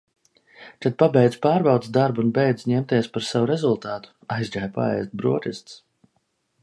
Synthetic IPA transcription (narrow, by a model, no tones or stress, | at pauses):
t̪at̪̚pabɛjd̪z̥paːɾbawt̪sd̪aɾbunbɛjd̪zɲɛmt̪iɛspaɾsavuɾɛzulˠt̪aːt̪u̥ajzɡajpa̰ɛ̰jst̪̚bɾuɔt̪ʲist̪s